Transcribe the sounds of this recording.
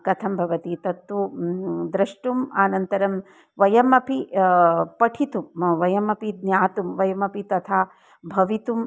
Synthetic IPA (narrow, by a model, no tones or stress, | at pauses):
kɐt̪ʰɐmbʱɐʋɐt̪it̪ɐt̪ʋud̪ɾɐʂʈumaːnɐnt̪ɐɾɐm | ʋɐjɐmɐpi | pɐʈʰit̪umʋɐjɐmɐpid̪njaːt̪umʋɐjɐmɐpit̪ɐt̪ʰaː | bʱɐʋit̪um